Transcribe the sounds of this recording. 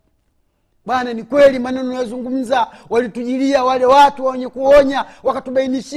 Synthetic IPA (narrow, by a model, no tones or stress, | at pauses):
ɓwananikwɛlimanannwazuŋɡum̩zawalituʄiliawalɛwatuwaɛɲɛkuɔɲawakatuɓainiʃ